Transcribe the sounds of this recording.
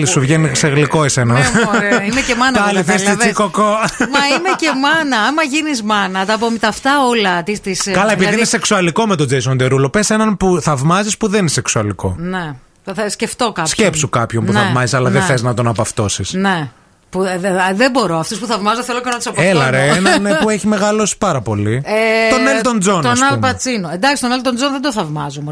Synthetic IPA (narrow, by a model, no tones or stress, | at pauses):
lisuvʝeniseɣliko̞esenɐnimecemɐnɐɐliθist̪iikokomɐimecemɐnɐɐmɐʝinizmɐnɐt̪ɐpomit̪ɐft̪ɐolɐt̪ist̪iskɐlɐepiðiineseksuɐliko̞met̪o̞d͡zejsond̪eɾulo̞pesenɐnpuθɐvmɐzispuðeneseksuɐliko̞̰ne | θɐsce̞ft̪o̞kɐscepsukɐpço̞npunθɐmɐzisɐlɐðeθeznɐt̪o̞nɐpɐft̪osisne | puðebo̞ɾo̞ɐft̪uspuθɐvmɐzoθelokenɐt̪u̥sɐpellɐɾeenɐnepueçime̞ɣɐlo̞si̥pɐɾɐpo̞lietonelt̪o̞nd͡zont̪onnɐlpɐt͡sinoend̪ɐkst̪onelt̪ond͡zonðed̪oθɐvmɐzome